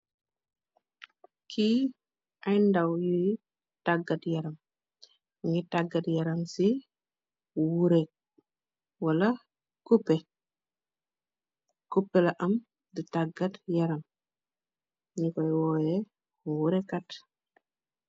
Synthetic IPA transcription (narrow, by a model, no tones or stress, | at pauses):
kʰi | ʔajndawji | taɡatjaɾam | ŋɡitaɡːatjaɾamsi | wuɾɛk̚ | wala | kupːɛ | kupːɛlaʔam | dutaɡatjaɾam | ɲŋkɔjwɔjɛ | wuɾɛkat